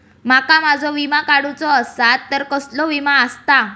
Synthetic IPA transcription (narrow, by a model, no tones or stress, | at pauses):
makamad͡zʱɔʋimakaɽut͡sɔːsat̪ːəɾkəslɔʋimaəst̪a